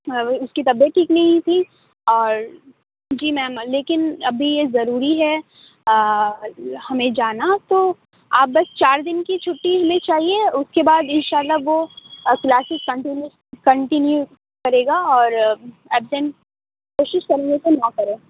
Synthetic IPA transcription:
ʊskit̪ɐbjət̪̚ʈʰiːknɐɦĩt̪ʰi | ɔːɾ | d͡ʒiːmɛ̃ːmleːkɪnɐbʱijezɐɾuːɾiɦɛ | hɐmẽd͡ʒaːnat̪oː | aːp̚bɐst͡ʃaːɾd̪ɪnkit͡ʃʰʊʈːiɦɐmẽt͡ʃaːɦieʊskebaːd̪ɪnʃaːlːaɦʋoklaːsɪzkɐ̃ɳʈɪnju | kɐ̃ɳʈɪnju | kɐɾeːɡaɔːɾ | ɛːbsɛ̃n | koːʃɪʃkɐɾẽːŋɡesenɐkɐɾẽː

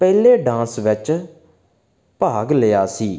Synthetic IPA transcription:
pɛːleːɖãːsʋɪt͡ʃ | paːɡlejaːsiː

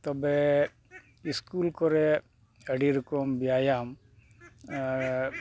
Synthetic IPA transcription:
t̪ɔbe | iskulkoɾe | ɐɽiɾkombjaːjam

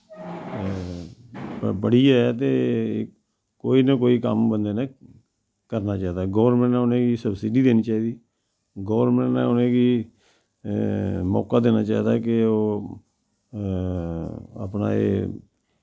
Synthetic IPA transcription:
əbəɽiːɛt̪eː | koːiːnãːkoːiːkəmbənd̪eːnãː | kəɾnaːt͡ʃaːid̪aːɡɔːʋɾmə̃ɳʈnɛ̃ːʊnẽːɡiːsəbsiɖiːd̪eːniːt͡ʃaːiːd̪iː | ɡoːʋəɾnmə̃ɳʈnɛ̰ːʊnẽːɡiː | mɔ̰ːkaːd̪eːnaːt͡ʃaːiːd̪akɪoː | ə̰pna̰ːḛː

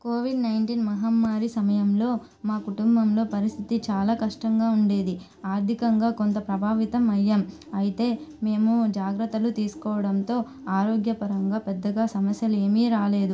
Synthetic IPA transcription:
koːʋiɖnɐjɳʈiːnmɐɦɐmːaːɾisɐmɐjɐmlo̞ː | maːkuʈumbɐmlo̞ːpɐɾist̪ʰit̪it͡ʃaːlaːkɐʂʈɐŋɡaːuɳɖe̞ːd̪i | aːɾd̪ʱikɐŋɡaːkont̪ɐpɾɐbʱaːʋit̪ɐmɐjːaːm | ɐjit̪e̞ːme̞ːmud͡ʒaːɡɾɐt̪ːɐlut̪iːsu̥kɔːʋɐɽɐnt̪o̞ː | aːɾo̞ːɡjɐpɐɾɐŋɡaːpɛd̪ːɐɡaːsɐmɐsjɐle̞ːmiːɾaːle̞ːd̪u

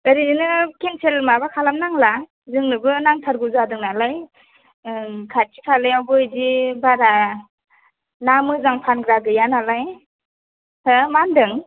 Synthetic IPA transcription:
ɯɾinɯkenselmabakʰalamnaŋla | zɯŋnɯbɯnaŋtʰaɾɡuzadɯŋnalaj | kʰatikʰalɯjawbɯjzibaɾa | namɯzaŋpʰanɡɾaɡɯjanalaj | amandɯŋ

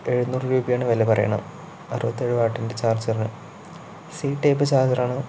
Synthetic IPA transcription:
e̞ɻunuːrɨɾuːbijaːɳɨʋɐlepɐrɐ̰jɐ̰ɳɐ̰m | ɐ̰rɨbɐt̪ːieɻuʋaːʈːindet͡ɕaːrd͡ʑɐrinɨ̰ | siːʈːejpːɨt͡ɕaːrd͡ʑɐraːɳɨ

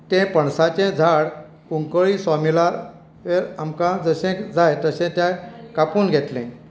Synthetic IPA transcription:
t̪ɛ̃pəɳsat͡ɕɛ̃d͡zʱaɽ | kuŋkəɭisɔmila | ʋeɾamkãd͡zəɕɛ̃kd͡zʱajt̪əɕɛ̃t̪jakapuːnɡʱet̪lɛ̰̃

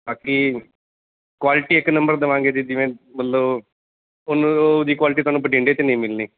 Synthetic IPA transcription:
baːkiː | kwaːlɪʈiːɪkːnə̃mbəɾd̪əʋãːŋɡeːd̪id͡ʒɪʋẽːmət̪ləb | onod̪iːkwaːlɪʈ̬iːt̪oaːnũːp̬əʈĩːɳɖeːt̪enəĩːmɪlniː

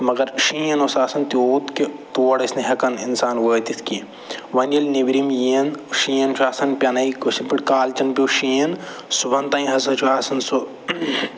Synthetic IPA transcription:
mɐɡɐɾʃiːɐnosaːsɐnt̪ioːt̪ket̪oːɐɽɐsneɦɐkɐninsaːnɡoːt̪it̪ʰki | ʋɐnɐlnibɾimjiɐnʃiːjɐnt͡ʃʰaːsɐnpʲɐnɐikosipiʈkaːlt͡ʃɐnpʲiʃiːɐn | subɐnt̪ɐ̃ːĩɦɐzɐt͡ʃʰuaːsɐnso

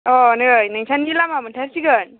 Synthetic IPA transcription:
ɔnɯjnaŋsʰanːilamamɯntʰaɾsiɡɯn

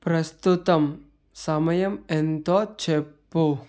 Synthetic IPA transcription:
pɾɐst̪ut̪ɐm | sɐmɐjɐment̪ɔt͡ʃʰepːo

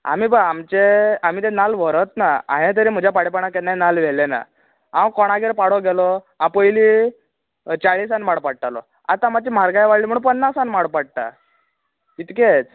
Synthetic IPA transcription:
a̰miːbəamt͡ɕeam̤iːt̪̬ẽnalʋ̤ʱəɾət̪naã̰ɦẽt̪̬əɾim̤əd͡ʑʱjapaɽipaɳakɛnːanalʋelena̰ | ãwkɔɽ̃aɡeɾpaɽɔɡɛlɔ | ãpəjli | t͡ɕaɭisanmaɽpaɽ̚ʈalɔ̰ | a̰t̪ãmat͡ɕimaɾɡajʋaɽliːm̤əɽunpənːasanmaɽpaɽ̚ʈ̪a̰ | it̪ket͡s

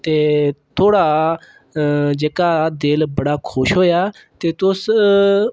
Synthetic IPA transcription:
t̪eːt̪ʰoːɽaː | d͡ʒeːkaːd̪eːlbəɽaːkʰʊʃɦoːjaː | t̪eːt̪ʊs

